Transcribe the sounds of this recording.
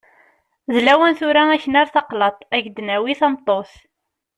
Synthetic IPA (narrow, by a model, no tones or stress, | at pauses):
zlæwənθuɾææçənæɾθɑqlɑt̪ˤæʝd̪næwiθɑmt̪ˤːoθ